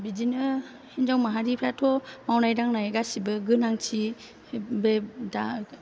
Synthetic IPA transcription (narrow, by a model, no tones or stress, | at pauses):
bid͡ʒinɯ | hind͡ʒawmaɦaɾipʰɾatʰɔmawnajdaŋnajeɡasibɯɡɯnaŋt͡ʃʰi | beda